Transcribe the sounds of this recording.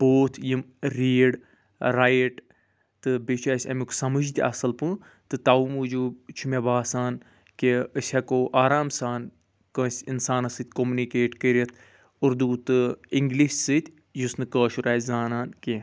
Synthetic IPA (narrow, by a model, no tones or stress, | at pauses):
b̥oːt̪ʰjimɾiːɽ | ɾajʈ | t̪ɨbit͡ʃaːsʲɐ̰mʲuksɐmɨd͡ʒt̪ʲiɐ̰sɐlpɨ | t̪ɨt̪aumud͡ʒuːt͡ʃʰumʲebaːsaːn | keəsʲɐkoːʔaːɾaːmsaːn | kə̃ːsʲinsaːnɐsɨt̪ʲkomunikeːʈkəɾʲɐt̪ʰ | uɾd̪uːt̪ɨiŋɡliʃsɨt̪ʲ | jusnɨkəːʃuɾaːjzaːnaːnke